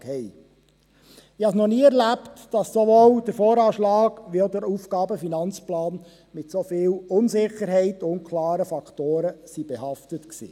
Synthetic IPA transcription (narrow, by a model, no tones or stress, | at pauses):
khɛɪ | ɪhɑsnɔniːɛɾlæptd̥ɑsːoʋoːld̥əɾfɔːɾɑːʃlɑːɡ̥ʋioʊdəɾuːfɡ̥ɑːbəfinɑnt͡splɑːn | mɪtsofɪːlʊnsɪχəɾɦɛɪtʊnkʰlɑːɾəfɑktoːɾəsib̥ɛhɑftətksḭː